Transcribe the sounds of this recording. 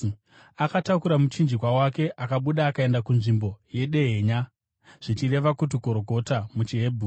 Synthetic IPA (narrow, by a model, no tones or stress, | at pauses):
akatakuɾamut͡ʃind͡ʒikwawake̞ʔakaɓuɗaːkae̞ndakunʐimbo̞je̞ɗe̞ɦeɲa | ʐ̥it͡ʃire̞ʋakut̬iko̞ɾoko̞tamut͡ʃiɦe̞bʱu